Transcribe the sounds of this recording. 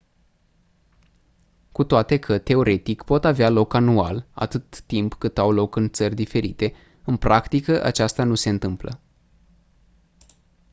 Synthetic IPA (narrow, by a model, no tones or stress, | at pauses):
kut̪oat̪e̞kʰət̪e̞o̞ɾe̞t̪ikpo̞t̪avealo̞kanuala̰t̪ɨt̪ːimpkɨt̪awlo̞kɨnt̪sərʲd̪ife̞ɾḭt̪e̞ | ɨnpɾʔakt̪ikəʔa̰t͡ʃast̪anuse̞ɨnt̪ɨmplə̰